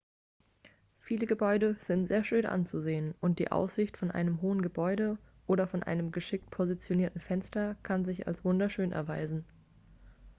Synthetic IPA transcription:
fiːləɡəbɔʏdəz̥ɪntz̥eːɐʃøːnʔa̰nt͡suzeːənʔʊnt̚d̥ḭːʔa̰ʊsz̥ɪçtfɔnʔa̰ɪnəmɦoːənɡəbɔʏɾə | ʔoːɾɐfɔnʔa̰ɪnəmɡəʃɪk̚t̚pʰozit͡sjoniːɐtn̩fɛnstɐkʰanzɪça̰lsv̥ʊndɐʃøːnʔɛ̰ɐvaɪzn̩

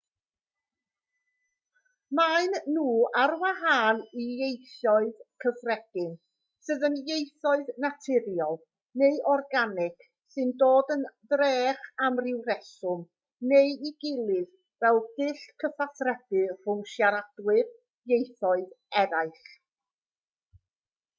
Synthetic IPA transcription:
maɨnːuːarwaɦaːnijejθɔɨðkʰəfrɛɡ̥ɨn | sɨðənjejθɔɨðnatʰɪɾjɔlˠ | neɨʔɔrɡanɪk | sɨndoːdənðreːχamrɪwrɛsʊm | nejiɡɪlˠɨð | vɛlˠd̥ɪɬkʰəfaθrɛɡɨr̥ʊmʃjaɾad̥wɪr | jejθɔɨðɛɾaɨɬ

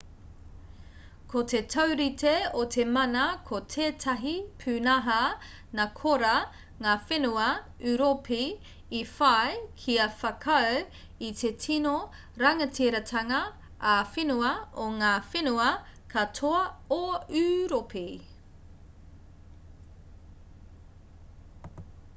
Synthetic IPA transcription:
kʰotʰetʰɐwɾitʰeotʰe̞mɐnɐkʰotʰeːtʰɐɦipʰʉːnaɦɐ | nakʰoɾɐ | ŋaːfenuɐ | ʉɾopʰi | ifaekʰiɐfɐkʰɐw | it̪ʰetʰino | ɾɐŋɐtʰiɾɐtʰɐŋɐː | fenuɐoŋaːfenuɐkʰɐtʰoɐoʉɾopʰi

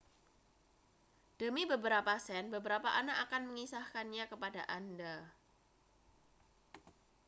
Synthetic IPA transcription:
d̥əmibəbəɾapasɛnbəbəɾapaʔanaʔakanməŋisahkanɲakəpadaʔanda

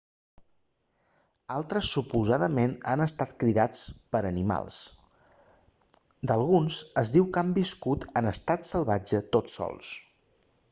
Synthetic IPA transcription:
alˠt̪ɾəsːupuzaðəmena̰nəst̪at̪kɾiðat͡spəɾənima̰lˠs | d̪əlˠɣunsəzðiwkambiskut̪ənəst̪at̪səlˠβad͡ʒət̪otsɔ̰lˠs

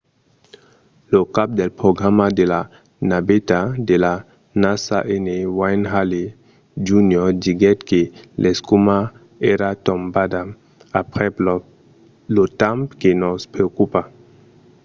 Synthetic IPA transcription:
lokap̚delpɾoɡɾamadela | nabetadela | nasa̰ʔenewajnɦale | d͡ʒunjɔdiɡɛtkelʔeskuma | eɾatombada | apɾɛp | lotampkenospɾeokupa

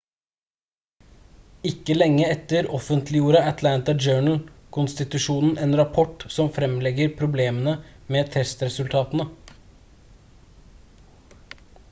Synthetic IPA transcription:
ɪkːəlɛŋːəɛt̪ːəɾɔfənt̪ʰlɪjuːɾɑæt̪ʰlænt̪ɑd͡ʒøːɳl̩kʰʊnst̪ɪt̪ʉʂuːnn̩ʔeːnɾɑpʰɔʈsɔmfɾɛmlɛɡəɾpʰɾʊbleːmənə | meːt̪ʰɛst̪ɾɛsʉlt̪ʰɑːt̪ənə

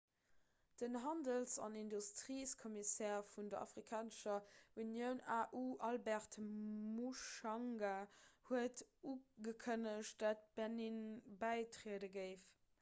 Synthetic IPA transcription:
d̥ənɦɑndəlsɑ̰nindustʁiːskʰɔmisɛːfundəɑ̰fʁikʰaːnəʃɐunjəʊnaːʔuːʔɑlbɛʁtmuʃɑŋɡahuətuːɡəkʰənəʃtd̥aːt̚b̥æninbæɪtʀeədəɡəɪf

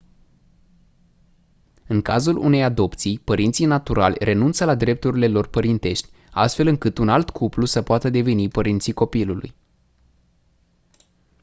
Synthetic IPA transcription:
ɨŋkazulṵne̞jad̪o̞pt̪sijpəɾint̪sijnat̪uɾa̰lʲre̞nunt̪səlad̪ɾe̞p̚t̪uɾile̞lo̞rpəɾint̪e̞ʃt̪ʲ | a̰st̪fe̞lɨŋkɨt̪unalt̪kʰuplusəpoat̪əd̪e̞ve̞nipəɾint̪siko̞pilulṵj

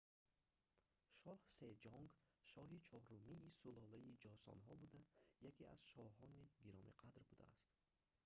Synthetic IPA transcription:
ʃɔhse̞d͡ʒɔŋɡʃɔɦit͡ʃʰɔɾumiːsulɔlaid͡ʒɔsɔ̰nɦɔbud̪ajakʰia̰z̥ʃɔɦɔniɡiɾɔmḭqʰad̪ɾbud̪a̰a̰st̪

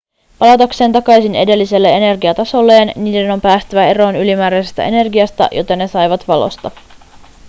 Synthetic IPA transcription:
pɑlɑt̪ɑkse̞ːnt̪ɑkɑjsine̞̰de̞lːise̞lːe̞e̞ne̞rɡiɑt̪ɑso̞lːe̞ːnniːde̞no̞mpæːst̪yʋæe̞ɾo̞ːnylimæːɾæjsest̪æ̰ʔe̞ne̞rɡiɑst̪æ̰ʔjo̞̰t̪enːe̞sɑjʋɑt̪ʋɑlo̰st̪ɑ

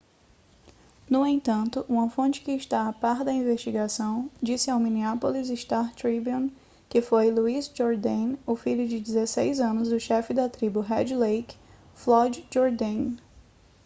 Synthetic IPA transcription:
nʊẽt̪ɐ̃nt̪ʊʔũmɐfõt͡ʃɪ̥kɪɪʃt̪aːpaɾd̪ɐĩvest͡ʃiɡasɐ̃w̃d͡ʒisɪawmĩniapolizɪst̪aɾt̪ɾibiũn | kɪfojluizd͡ʒoɾd̪ẽnʊfiʎʊd͡ʒɪd͡ʒɪzesejzɐ̃nʊzd̪ʊʃɛfɪd̪ɐt̪ɾibʊɦɛd͡ʒlejk | flɔd͡ʒd͡ʒoɾd̪ẽn

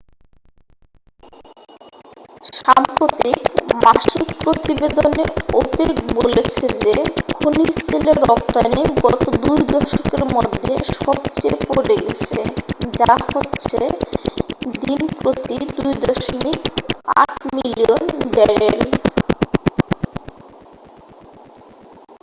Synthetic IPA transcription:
ʃampɾot̪ikmaʃikpɾot̪ibed̪oneobekbolet͡ɕʰed͡ʑeɡʰʱunisileɾːɔp̚t̪aneɡɔt̪od̪ujd̪ɔʃokeɾmɔd̪ʱːeʃɔbt͡ɕepoɾeɡḛt͡ɕʰed͡ʑahotːɕʰe | d̪inpɾot̪id̪ujd̪ɔʃomika̰ʈʰmilionbɛɾel

